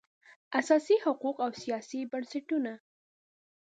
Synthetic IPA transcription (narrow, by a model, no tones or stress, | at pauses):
asɑsihʊquqawsijɑsibansɪʈuna